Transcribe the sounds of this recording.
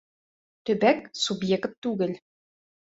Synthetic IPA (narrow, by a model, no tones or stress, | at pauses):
t̪ɵ̆bæk̚subjekt̪ːʉɡɘl